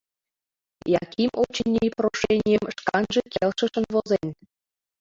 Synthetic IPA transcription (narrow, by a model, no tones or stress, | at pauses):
jɑkimot͡ɕɘnʲːeproʂenʲijə̆mʃkɑnʒĕkʲelʃɘ̆ʃɤ̆nvozenʲ